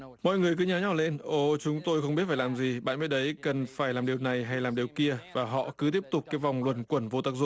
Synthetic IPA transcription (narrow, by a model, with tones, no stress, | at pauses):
mɔ̰˧˨jŋɨ˨˩əjkɨ˨˦ɲaː˨˦ɲɔ˧˩le˧nʔo˧˩t͡ɕʊ˨˦ŋ͡mt̪o˧jxə˧ŋ͡mmi˦˥t̚faː˧˩laː˨˩mzi˨˩ɓa̰ː˧˨nma̰əː˧˨˦jɗə˨˦jkə˨˩nfaː˧˩jlaː˨˩mɗi˨˩əwna˨˩jɦa˧jlaː˨˩mɗi˨˩əwki˧əvaː˨˩ɦɔ̰˧˨kɨ˨˦t̪̬i˦˥əp̚t̪ʊ˨˩k͡p̚kaː˨˦jva˨˩wŋ͡mlwə˨˩nkwə˧˩nvo˧t̪aː˦˥k̚zʊ̰˧˨